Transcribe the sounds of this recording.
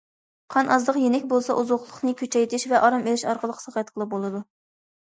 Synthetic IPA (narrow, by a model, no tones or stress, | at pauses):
qʰɑnʔɑzd̪əqjenɛkʲbolˠsɑʔuzoχlˠʊχnɨkʲʰøt͡ʃʰɛjt̪ʰɪʃvɛʔɑɾɑmelɪʃɑɾqəlˠəqsəʁɑt̪qʰəlˠɨbolˠɨd̪u